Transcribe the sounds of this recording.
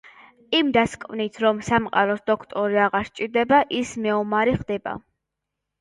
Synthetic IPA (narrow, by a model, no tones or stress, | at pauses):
imd̪askʼvnit̪ʰɾɔmsamqʼa̰ɾɔsd̪ɔkʰt̪ʼɔɾiaʁaɾʃt͡ʃʼiɾd̪ɛbaʔismɛɔmaɾiχd̪ɛba̰